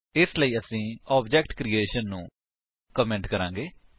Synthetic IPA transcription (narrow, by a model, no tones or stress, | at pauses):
ɪsləiːəsĩːɔːbd͡ʒɛːkʈkɾiːeːʃənːũː | kəmɛ̃ɳʈkəɾãːŋɡeː